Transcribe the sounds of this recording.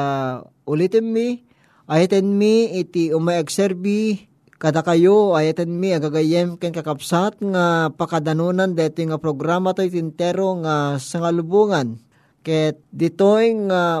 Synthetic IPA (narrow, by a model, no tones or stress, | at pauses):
ʔʊlit̪ɪnmi | ʔajat̪ɛnmiɪt̪iʊmaɛksɛɾbi | kɐd̪akajoajat̪ɛnmiaɡaɡajɛmkɛnkɐkɐpsat̪̚ŋapakad̪anunand̪ɛt̪ojŋapɾoɡɾamat̪ojt̪ɪnt̪ɛɾoŋasɐŋalʊbuŋan | kɛt̪d̪ɪt̪ojŋa